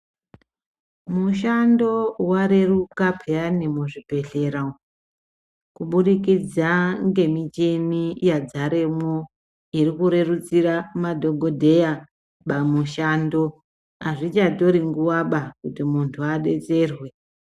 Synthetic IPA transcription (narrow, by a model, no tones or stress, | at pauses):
muʃando̞waɾe̞rukapʰeanimoʐibʱe̞ɬe̞ɾa | kuɓuɗikid͡zaŋɡe̞mit͡ʃenijad͡zaɾe̞mo | irikuɾe̞rut͡siramadʱo̞ɡʱodʱe̞ja | ɓamuʃando̞ | aʐit͡ʃato̞ɾiŋɡuwaɓakutimuntʰuaɗe̞t͡se̞rwe̞